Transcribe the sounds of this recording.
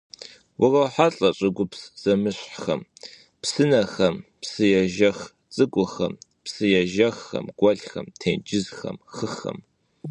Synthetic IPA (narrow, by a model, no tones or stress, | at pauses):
wʔʊrɐwħaɬʼɐɕʼɪɡʷʊpsz̥ɐmɨɕħxɐm | psɨnɐxɐmpsɨjɛʒɐx | t͡sʼɨɡʷʼʊxɐ̰m | psɨjɛʒɐxːɐ̰mɡ̥ʷɐɮxɐ̰mtʰeːnd͡ʒɪzxɐ̰mxɨxɐ̰m